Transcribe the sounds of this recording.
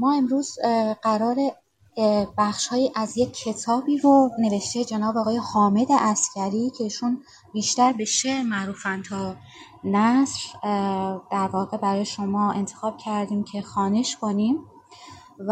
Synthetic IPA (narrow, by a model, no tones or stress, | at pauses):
mɒːe̞mɾuːzɢæɾɒːɾe̞ | bæxʃhɒːjiːʔæzje̞cʰːe̞t̪ʰɒːbiːɾone̞ve̞ʃt̪e̞d͡ʒenɒːbɒːɣɒːje̞hɒːme̞d̪e̞ʔæscʲæɾiːcʰe̞iːʃun | biːʃt̪æɾbe̞ʃe̞ʔɾmæʔɾuːfænt̪ʰɒː | næsɾ | d̪̥æɾvɒːɣe̞bæɾɒːjeʃo̞mɒːe̞nt̪ʰexɒːb̥cʰæɾd̪iːmcʰe̞xɒːne̞ʃkʰo̞nim